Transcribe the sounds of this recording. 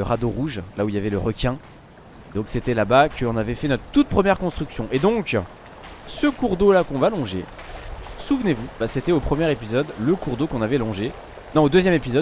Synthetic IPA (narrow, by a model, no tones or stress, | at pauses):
əʁad̪oʁuʒlauiljavɛləʁəkʲɛ̃ | d̪ɔ̃kset̪ɛlabakəɔ̃navɛfɛnɔt̪χət̪ut̪̚pχəmjɛʁkɔ̃st̪χyksjɔ̃ʔed̪ɔ̃k | səkuʁd̪olakɔ̃valɔ̃ʒḛ | suvnevubaset̪ɛopχəmjɛʁepizɔd̪ləkuʁd̪okɔ̃navɛlɔ̃ʒe | nɔ̃od̪øzjɛmepizɔd̪